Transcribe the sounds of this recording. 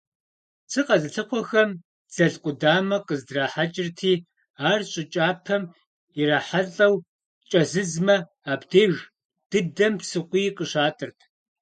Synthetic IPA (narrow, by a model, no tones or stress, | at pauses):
t͡sʰɨqʼɐzɨɬɨqʷɔxɐm | z̥ɐɮqʷʼʊdaːmɐqəzdraːħat͡ʃʼɪrtʰiː | aːrɕʼɪt͡ʃʼaːpʰɐm | jɪraːħaɮʼɐw | t͡ʃʼɐzɨzmɐ | aːbdʰeːɣ | d̥ɨdɐmpsɨqʷiːqʼəʂaːtʼɨrtʰ